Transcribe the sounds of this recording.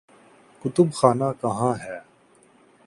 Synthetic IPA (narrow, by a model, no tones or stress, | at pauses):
kʊt̪ʊbxaːnaːkɐɦãːɦɛː